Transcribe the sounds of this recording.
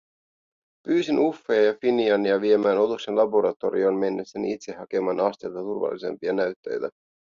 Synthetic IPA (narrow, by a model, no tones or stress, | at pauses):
pyːsinʔufːeɑjɑfiniɑniɑʋiemæːno̞t̪ukse̞nlɑbo̞ɾɑt̪o̞̰ɾḭoːnme̞nːesːænḭit̪se̞hːɑke̞mɑːnɑst̪elt̪ɑt̪urʋɑ̰lːise̞̰mpiɑnæyt̪ːe̞̰jt̪æ